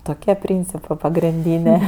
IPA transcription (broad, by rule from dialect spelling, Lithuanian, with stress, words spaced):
toːˈkʲiɛ ˈpʲrʲiːnʲt͡sʲɪpɜ pɐɡrʲɪnʲˈdʲiːnʲeː